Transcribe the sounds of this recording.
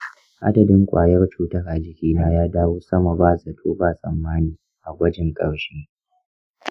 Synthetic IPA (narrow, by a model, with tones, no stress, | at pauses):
ʔa̰˦dɐ˨dɪ˦ŋkʷʼa̰ː˨jɐ˦rt͡ʃuː˦tɐ˦ɾʔa˨d͡ʒɪ˨kʲiː˦naː˦jaː˦daː˦woː˦sɐ˦ma˨baː˦˨sʼɐ˨tʰoː˦baː˨sʼɐ˨mːaː˦niː˨ | ʔa˨ɡʷɐ˦d͡ʒɪ˨ŋkʼɐ˨ɽʃeː˦